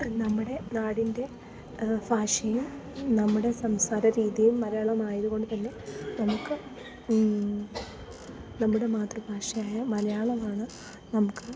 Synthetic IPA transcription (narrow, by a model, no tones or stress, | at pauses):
nɐmːuɽe̞naːɽinde̞ | bʱaːʂɐjum | nɐmːuɽe̞sɐmsaːɾɐɾiːðijumːɐlɐjaːɭɐmaːjiðuɣo̞ɳɖɨt̪ɐnːe̞nɐmukːɨ | nɐmːuɽe̞maːt̪rɐbʱaːʂɐjaːjɐmɐlɐjaːɭɐmaːɳɨ | nɐmukːɨ